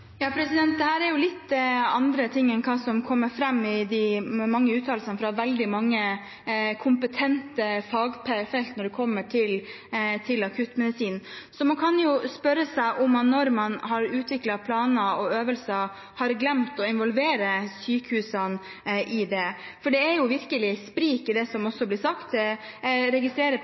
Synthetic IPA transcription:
jɑːpʰɾɛsɪd̪ɛnt̪̚d̪ɛhæːɾɛɾjʊlɪt̪ːɑnd̪ɾət̪ʰɪŋːɛnkʰɑːsɔmkʰɔmːəɾfɾɛmːɪd̪ɪmɑŋːəʉːt̪ʰːɑːlsɑnəfɾɑʋɛld̪ɪmɑŋːə | kʰʊmpət̪ʰɛnt̪əfɑːɡpɛfɛlt̪nɔɖɛkʰɔmːəʈʰɪl | t̪ʰɪlɑkʰʉt̪mɛd̪ɪsiːnsɔmɑnkʰɑnjʊspœɾːəsæɪʔʊmːɑnːɔɾmɑnhɑɾʉːt̪ʋɪklɑpʰlɑːnəɔøːʋəlsə | hɑɾɡlɛmt̪ɔɪnʋɔlʋeːɾəsyːkəhʉːsɑn | ʔɪd̪ɛ | fɔɖɛɛɾjʊʋɪɾkəlɪspɾiːkɪd̪ɛsɔmɔsːɔblɪsɑkt̪ | ɾɛɡɪst̪ɾeːɾə

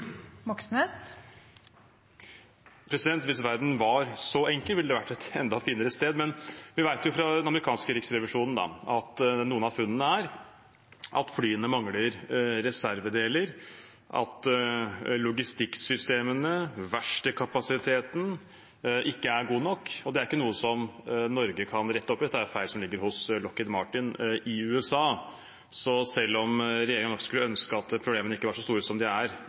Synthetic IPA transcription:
mɔksnes | pʰɾɛsɪd̪ɛnt̪ʋɪsʋæɾd̪n̩ʋɑɾsɔɛŋkəlʋɪlːəd̪ɛʋæʈːɛt̪ɛ̰nd̪ɑfiːnəɾəst̪eːd̪mɛnʋɪʋæɪt̪jʊfɾɑd̪ɛnɑməɾɪkʰɑːnskəɾɪksɾɛʋɪʂuːnn̩d̪ɑ̰ɑt̪d̪ɛnuːənɑfʉnːənəæɾ | ɑ̰t̪flyːənəmɑŋləɾɾɛsæɾʋəd̪eːləɾ | ʔɑ̰t̪ | lʊɡɪst̪ɪksʏst̪eːmənəʋæʂʈəkʰɑpɑsɪt̪ʰeːt̪n̩ | ʔɪkːəæɾɡuːnɔkːɔd̪ɛæɾɪkːənuːəsɔmnɔɾɡəkʰɑnɾɛt̪ːəɔpːɪd̪ɛt̪ːəæɾfæɪlsɔmlɪɡːəɾhʊslɔkːəd̪mɑʈɪnʔɪʉːɛsɑː | sɔsɛlːɔmɾɛjeːɾɪŋənɔkskʉlːəœnskəɑt̪pʰɾʊbleːmənəɪkːəʋɑːʂɔst̪uːɾəsɔmd̪ɪæɾ

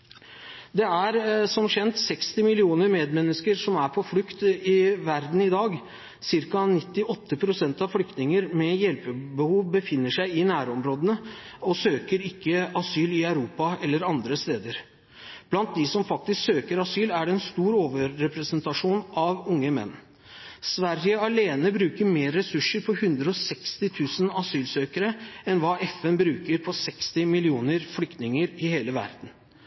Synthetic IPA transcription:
d̪ɛæɾsɔmɕɛnt̪sɛkst̪ɪmɪlɪuːnəɾmeːd̪mɛnːəskəɾʂɔmæɾpʰɔflʏkt̪ɪʋæɾd̪n̩ɪd̪ɑːɡ | sɪɾkɑnɪt̪ːɪʔɔt̪ːəpʰɾʊsɛnt̪ɑʋflʏk̚t̪nɪŋəɾmɛjɛlpəbəhuːʋbəfɪnːəʂæɪɪnæːɾɔmɾoːd̪ənəɔsøːkəɾɪkːəɑsyːlɪœʉɾuːpɑɛlːəɾɑnd̪ɾəst̪eːd̪əɾ | b̥lɑnt̪̚d̪ɪsɔmfɑk̚t̪ɪsksøːkəɾɑsyːlæɖɛɛnst̪uːɾoːʋəɾːɛpɾəsənt̪ɑʂuːnʔɑʋʊŋːəmɛ̰nː | sʋæɾjəɑleːnəbɾʉːkəɾmeːɾːɛsʉʂəɾpʰɔhʉnd̪ɾəɔsɛkst̪ɪt̪ʰʉːsənɑsyːlsøːkəɾəɛnʋɑːʔɛfɛnbɾʉːkəɾpʰɔsɛkst̪ɪmɪlɪuːnəɾflʏkt̪nɪŋəɾɪheːləʋæ̰ɾd̪n̩

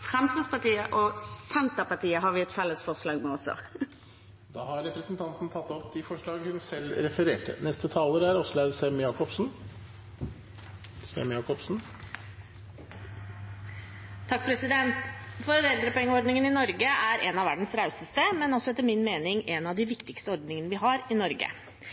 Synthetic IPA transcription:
fʁɛmskəspɑʈiːəʔɔsɛnt̪əpɑʈiːəɦɑɾʋɪɛt̪fɛlːəsfɔʁʂlɑːɡmɛɔsɔ̰ | d̪ɑ̰ːhɑɾɾɛpɾəsnt̪ʰɑnt̪n̩t̪ʰɑt̪ːɔpd̪ɪfɔʂɭɑːɡhʉnsɛlːɾɛfəɾeːʈʰə̰nɛst̪ət̪ʰɑːləɾæɾɔslæsɛmjɑːkɔpsn̩ | sɛ̰mjɑːkɔpsn̩ | t̪ʰɑk̚ːpʰɾɛsɪd̪ɛnt̪fɔɾɔd̪ɛld̪ɾəpʰɔɛŋːəɔɾɖ̪nɪŋənɪnɔɾɡəʔæɾɛnɑʋæɖɳ̩sɾɑʉsəst̪əmɛnɔsɔɛt̪ːəɾmɪnmeːnɪŋɛnɑʋd̪ɪʋɪkt̪ɪkst̪əɔɾɖ̪nɪŋənəʋɪɦɑɾɪnɔɾɡə̰

